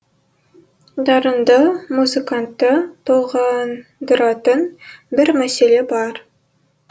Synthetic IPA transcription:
d̪ɑɾɤ̆nd̪ɑmuzɨkant̪ːɑt̪oʁɑnd̪ɾɑt̪ɤnbɪɾmæselebɑɾ

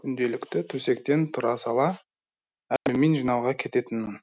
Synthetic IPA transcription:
kʲʰʏnd̪e̞lɪkt̪ɪt̪ʰɵse̞kt̪e̞nt̪ʰʊɾɑsɑlˠɑ | ælɪme̞nʒijnɑwʁɑkʲʰe̞t̪e̞t̪ɪnmɪŋ

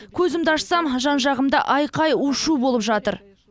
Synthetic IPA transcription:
kʲʰɵzɪmd̪ɑʃsɑmʒɑnʒɑʁəmd̪ɑ̰ʔɑjqɑjuʃubo̞lˠəpʒɑt̪əɾ

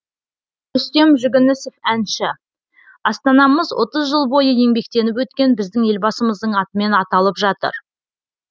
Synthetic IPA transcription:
ʏst̪e̞mʒʏɡʲɪnɪsefænʃɪ | ɑst̪ɑnɑməzwʔo̞̰t̪əzʒəlˠbo̞jəe̞ŋbe̞k̚t̪e̞nɪpwɵt̪kʲe̞nbɪzd̪ɪŋe̞lbɑsəməzd̪əɴɑt̪əme̞nɑt̪ɑlˠəpʒɑt̪ə̰ɾ

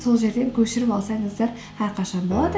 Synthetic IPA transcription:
so̞lˠʒe̞ɾd̪e̞ŋkʲʰɵʃɪɾɪpɑlˠsɑjɴəzd̪ɑɾ | hæɾqʰɑʃɑnbo̞lˠɑd̪ə

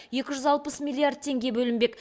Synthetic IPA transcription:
je̞kʲɪʒʏzɑlˠpəsmʲilʲˠiard̪̚t̪ʰe̞ŋɡʲe̞bɵlɪmbe̞k

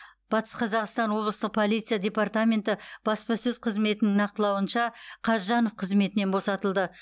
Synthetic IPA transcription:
b̥ɑt̪ə̥sqʰɑzɑqst̪ɑnwo̞blˠəst̪əq̚pʰo̞lˠijt̪sɨjadʲe̞part̪amʲe̞nt̪ɪb̥ɑspɑsɵzqʰəzme̞t̪ɪnɪŋnɑq̚t̪əlˠɑwənʃɑqʰɑʒɑno̞fqʰəzme̞t̪ɪne̞nbo̞sɑt̪əlˠd̪ə

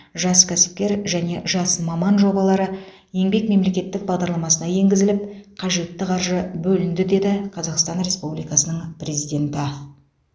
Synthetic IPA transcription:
ʒɑskʲʰæsɪ̥p̚kʲe̞ɾʒæne̞ʒɑsmɑmɑnʒo̞bɑlˠɑɾə | je̞ŋbe̞kme̞mle̞kʲe̞t̪ːɪk̚bɑʁd̪ɑɾlˠɑmɑsənɑje̞ŋɡʲɪzɪlɪp̚qʰɑʒe̞t̪ːɪqʰɑɾʒəbɵlɪnd̪ɪd̪e̞d̪ɪqʰɑzɑqst̪ɑnɾe̞spublijkɑsənəɴprʲe̞zijd̪ʲe̞nt̪ɪ

